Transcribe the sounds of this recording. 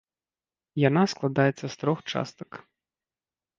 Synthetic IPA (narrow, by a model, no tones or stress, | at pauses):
janasklˠad̪ajɛt̪sːɐst̪ɾɔxt͡ʂa̰st̪ɐ̥k